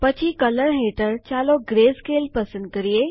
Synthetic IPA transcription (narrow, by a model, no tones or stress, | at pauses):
pət͡ʃʰikələɾɦeːʈəɾt͡ʃaːloɡɾeːskeːlpɐsə̃nd̪̚kəɾie